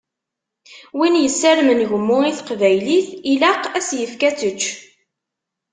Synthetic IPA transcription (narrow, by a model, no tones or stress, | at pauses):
winjəsːæɾmənʝəmːʊiθqvæjliθilaqæsjəfkæt͡sət͡ʃː